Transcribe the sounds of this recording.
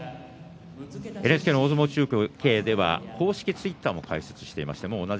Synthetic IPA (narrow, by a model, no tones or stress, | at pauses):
enɯ̟esɨ̥keːnooːzomot͡ɕɨːkoke̞ːd̪e̞βa̰kʰo̞ːɕi̥kʲit͡sɨit̪ːaːmo̞kʰaise̞̥t͡sɨ̥ɕi̥t̪e̞ima̰ɕi̥t̪e̞mo̞ːna